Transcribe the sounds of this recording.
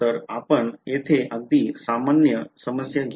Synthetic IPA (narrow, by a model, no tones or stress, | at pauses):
əɾapəɳet̪ʰeʔaɡ̚d̪isamanjəsəməsjaɡ